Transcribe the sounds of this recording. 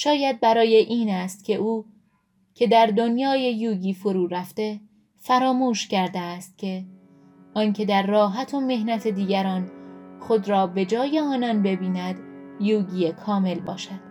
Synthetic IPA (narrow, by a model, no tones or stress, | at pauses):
ʃɒːjæd̪̚bæɾɒːje̞ʔiːnæst̪cʲʰe̞ʔuː | cʰe̞d̪æɾd̪onjɒːje̞juːɟiːfo̞ɾuːɾæft̪e̞ | fæɾɒːmuːʃcæɾd̪eæst̪̚cʲʰe̞ | ʔɒːncʰe̞d̪æɾːɒːɦæt̪ʰo̞me̞hnæt̪ʰe̞d̪iːɟæɾɒːnxo̞d̪ɾɒːbe̞d͡ʒɒːje̞ɒːnɒnbe̞biːnæd̪juːɟijekʰɒːme̞lbɒːʃæd̪̥